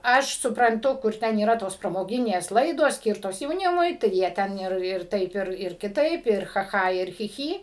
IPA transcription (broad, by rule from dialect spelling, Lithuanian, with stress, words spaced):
ˈɐʃ sʊprɐnˈtʊ kʊr ˈtʲɛn iːˈrɐ toːs prɐmoːˈɡʲɪnʲeːs ˈlˠɐɪdoːs ˈsʲkʲiːrtoːs jɛʊˈnʲɪmʊɪ tɐɪ ˈjiɛ ˈtʲɛn ɪr ɪr ˈtɐɪp ɪr ɪr kʲɪˈtɐɪp ɪr xɐ ˈxɐ ɪr xʲɪ ˈxʲiː